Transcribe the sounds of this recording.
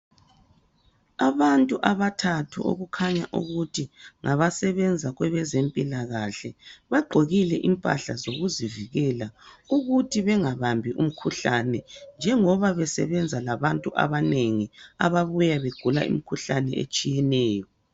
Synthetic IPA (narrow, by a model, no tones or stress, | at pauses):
aβantʼuʔaβatʰatʰṵʔo̰ɣukʰaɲaʔṵɣutʰiŋʔaβasɛβɛnd͡zʱaɣwɛβɛzempʼilaɣaɬɛβaɡ͡ǃʱoɣilɛʔimpʼa̰ɬazoɣuziviɣɛlauɣutʰiβɛŋaβambʱiʔum̩kʰuɬanɛnd͡ʒʱɛŋɔβaβɛsɛ̰βɛnd͡zʱalaβantʼuʔa̰βaneŋia̰βaβujaβeɡ̥ʱula̰ʔḭmikʰuɬanɛ̰ḛt͡ʃʼijɛnɛːjɔ